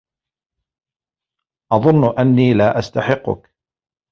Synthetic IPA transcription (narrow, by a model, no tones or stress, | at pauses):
ʔɑðˤʊnːʔanːiːlaːʔast̪aħɪqːʊ̰k